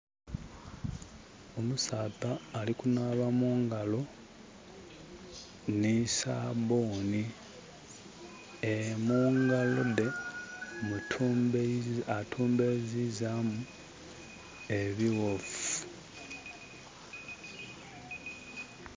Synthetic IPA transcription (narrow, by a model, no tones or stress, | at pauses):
o̞musaːtaːlikunaβamuːŋɡalo̞ | nisa̰boːni | emuːŋɡalode | mutʰː | atʰuːmbezizamu | e̞βiwofu̥